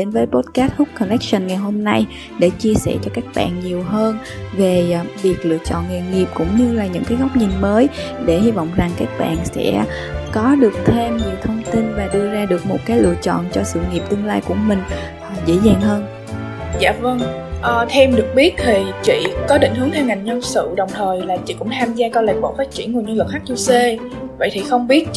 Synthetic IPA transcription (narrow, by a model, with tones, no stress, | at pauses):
ɗe˨˦nvəː˨˦jpo˦˥t̚kaː˦˥t̚hʊ˦˥k͡p̚kːɔ˨˩nɛ˦˥k̚sə˧˩nŋa˨˩jɦo˧mna˧j | ɗe˧˩t͡ɕi˧əsɛ̰˧˩t͡ɕɔ˧kaː˦˥k̚ɓa̰ː˧˨nɲi˨˩əwɦəː˧n | ve˨˩vi˨˩ək̚lɨ̰˧˨ət͡ɕɔ̰˧˨nŋi˧˨ŋi˨˩əp̚kʊ̰˧˥ŋ͡mɲɨ˧laː˨˩ɲɨ̰˧˥ŋkaː˨˦jɣɔ˦˥wk͡p̚ɲi˨˩ŋməː˨˦jɗe˧˩hi˧vɔ̰˧˨wŋ͡mza˨˩ŋkaː˦˥k̚ɓa̰ː˧˨nsɛ̰˧˥ | kɔ˨˦ɗɨ˨˩ək̚t̪ʰe˧mɲi˨˩əwt̪ʰə˧wŋ͡mt̪i˧nvaː˨˩ɗɨ˧əzaː˧ɗɨ˨˩ək̚mo˨˩t̚kaː˨˦jlɨ̰˧˨ət͡ɕɔ̰˧˨nt͡ɕɔ˧sɨ̰˧˨ŋi˨˩p̚t̪ɨ˧əŋlaː˧jku˧˩əmï˨˩ŋ̟ | ʔzḛ˧˥zaː˨˩ŋɦəː˧n | za̰ː˧˨və˧ŋ | ʔəː˨˩t̪ʰɛ˧mɗɨ˨˩ək̚ɓi˦˥ət̚t̪ʰi˨˩t͡ɕḭ˧˨kɔ˨˦ɗḭ˧˨ŋ̟hɨ˨˦əŋt̪ʰɛ˧wŋa˨˩jŋɲə˧sɨ̰˧˨ɗə˨˩wŋ͡mt̪ʰəː˨˩jlaː˨˩t͡ɕḭ˧˨kʊ̰˧˥ŋ͡mt̪ʰaː˧mzaː˧kɔ˨˦la̰ː˧˨˩k̚ɓo̰˧˥faː˦˥t̚t͡ɕi˧˩ənŋu˨˩ɲə˧lɨ˨˩k̚xaː˦˥k̚t͡ɕu˧se˧ | və̰˧˨jt̪ʰi˨˩xə˧wŋ͡mɓi˦˥ət̚